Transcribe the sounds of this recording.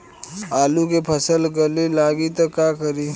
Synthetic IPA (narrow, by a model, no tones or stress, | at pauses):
aːlukepʰɐsəlɡəlilaːɡit̪ɐkːaːkəɾiː